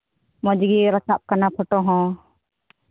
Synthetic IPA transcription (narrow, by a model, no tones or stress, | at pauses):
mɔd͡ʒɡiɾat͡ʃap̚kanapʰɔʈɔɦɔ̃